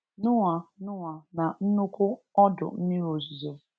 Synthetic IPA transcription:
nʊ˦ŋa˨nʊ˦ŋa˨na˨n̩˦nʊ˦kʊ˦ɔ˦dʊ̰˨m̩˦mi˦ɾo˨zu˨zo˨

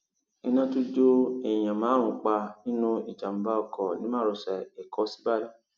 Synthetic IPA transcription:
i˧nã˧tu˦d͡ʒo˦ɛ˨j̃ã˨mãː˨˦ũ˨k͡pa˧nĩ˦nũ˦i˨d͡ʒa˨m̩˨˦ba˦ɔ˧˨kɔ˨nĩ˨˦mãː˦˨ɾo˧sɛ˨e˨kɔ˨˦si̥˦ba˦jã˦

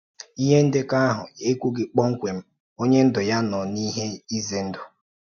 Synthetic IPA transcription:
i˦ɦe˦n̩˦dɪ˦ka˦ɦʊ̰˨e˦kʷu˦ɡɪ˨k͡pɔ˦ŋ̩˦kʷe˨m̩˦ | o˦ɲe˦n̩˦dʊ˨ja˦nɔ˨ni˦ɦe˦i˦ze˨n̩˦dʊ˨

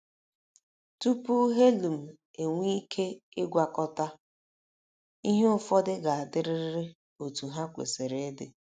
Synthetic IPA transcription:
tu˦pu˦ɦe˦lu˨m̩˨ | e˨ŋʷi˦kʰe˦ɪ˦ɡʷa˨kɔ˦ta˦ | i˦ɦe˦ʊ˦fɔ˦dɪ˦ɡa˨a˨dɪ˦ɾɪ˦ɾɪ˦ɾɪ˦ | o˨tu˨ɦa˦kʷḛ˨se˨ɾe˦dɪ˨

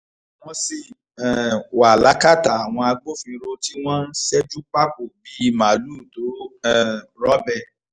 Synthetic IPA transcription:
w̃ɔ̃˧si˨ | ɛ˨wa˨la˨˦ka˦˨ta˨a˨w̃ɔ̃˧a˧ɡ͡bo˦fĩ˧ɾo˧ti˦w̃ɔ̃˦n̩˦sɛ˦d͡ʒu˦k͡pa˦ko˨bi˨˦˧ma˨luː˦˨to˨˦ɛ˦˨ɾɔ˦bɛ˦˨

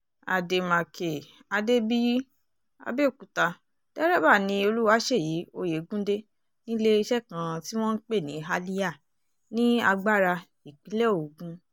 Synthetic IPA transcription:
a̰˨de˨mã˨kʰe˨ | a˧de˦bi˦ | a̰˧be˦˨ku˨ta˧ | d̥ɛ˦ɾɛ˦ba˦˨nĩ˧o˧lu˦wa˦ʃe˦˨ji˨˦o˧je˨˦ɡũ˦de˦ | nĩ˦le˦i˧˦ʃɛ˦˨kã˧ti˦w̃ɔ̃˦n̩˦k͡pe˦˨nĩ˨˦ɦa˧li˦ja˦˨ | nĩ˦a˧ɡ͡ba˦ɾa˧ | i˨k͡pĩ˨˦lɛ˦˨o˨ɡũ˧

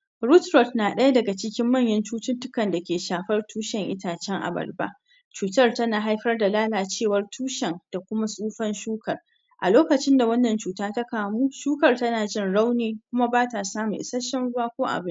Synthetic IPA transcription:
ɾʊ˦tɾɔ˨tnaː˨ɗɐ˦ja˦dɐ˨ɡa˨t͡ʃɪ˦kʲɪ˦mːɐ˦˨ɲjɐ˦nt͡ʃuː˦tɪ˦ntʊ˦kɐ˨nda˨kʲeː˨ʃaː˨ɸɐ˦rtʰuː˦ʃɛ˨ŋʔɪ˦taː˨t͡ʃɛ˦ŋʔa̰˨bɐ̰˨rba̰˦ | t͡ʃuː˨tɐ˦rtɐ˦naː˨ɦa˦jɸɐ˦rda˨laː˦laː˨t͡ʃeː˦˨wɐ˦rtʰuː˦ʃɛ˨ŋd̥a˨kʷʊ˦ma˦sʼuː˦ɸɐ˦nʃuː˦kʰɐ˨r | ʔa̰˨loː˦kɐ˨t͡ʃɪ˦nda˨wɐ˦nːɐ˨nt͡ʃuː˨taː˦tɐ˦kaː˨muː˦ʃuː˦kɐ˨rtɐ˦naː˨d͡ʒɪ˦nɽa˦wneː˨˦kʷʊ˦ma˦baː˦ta˨saː˦mu˨ʔɪ̰˨sɐ˦ʃɐ˦mʊ˦waː˦kʷoː˦ʔa̰˨bɪ˦n

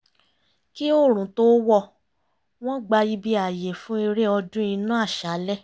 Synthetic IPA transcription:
ki˦o˦˨ɾ̃ũ˨to˦wɔ˦˨ | w̃ɔ̃˦ɡ͡ba˧i˧bi˧a˨je˨fũ˨˦e˧ɾe˦ɔ˧dũ˦i˧nũ˦a˦˨ʃa˨˦lɛ˦˨

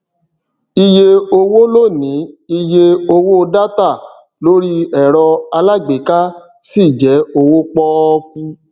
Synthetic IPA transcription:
i˧je˧o˧wo˦lo˦˨nĩ˨˦i˧je˧o˧wo˦˧da˦ta˦˨ | lo˦ɾi˦ɛ˨ɾɔ˧a˧la˦˨ɡ͡be˨ka˦ | si˦˨d͡ʒɛ˨˦o˧wo˦k͡pɔ˦˧ku˧

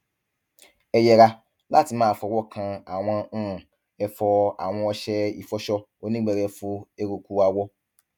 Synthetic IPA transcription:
ɛ˨jɛ˨ɾa˦ | la̰˦˨ti˨mãː˦˨fɔ˨wɔ˦kʰã˨a˨w̃ʷã˦˨ | ɛ˨fɔ˦a̰˨w̃ɔ̃˦ɔ˦ɕɛ˦ḭ˨fɔ˦ɕɔ˦ | o˦nĩ˦ɡ͡bɛ˨ɾɛ˨fʊ˦e˦ɾo˨kʰu˦a˨wɔ˦

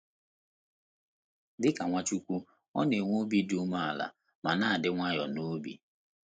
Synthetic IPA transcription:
dɪ˦ka˨ŋʷa˦t͡ʃu˦kʷu˦ | ɔ̰˦ne˨ŋʷo˦bi˦du˦ma˦a˨la̰˨ | ma˨na˦a˨dɪ˦ŋʷa˦jɔ˨no˦bḭ˦

